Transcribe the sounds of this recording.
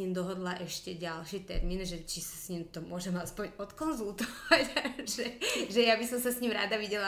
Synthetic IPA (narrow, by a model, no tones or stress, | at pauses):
ɲimd̪ɔɦɔd̪laʔɛʃcɛɟalʃit̪ɛ̰ɾmiːnʒɛt͡ʃisḁsɲimt̪ɔmʊɔʒɛmaspɔɲɔt̪kɔnzult̪ɔʋacʒɛʒɛjabisɔmsasɲimɾa̰ːd̪aʋiɟɛla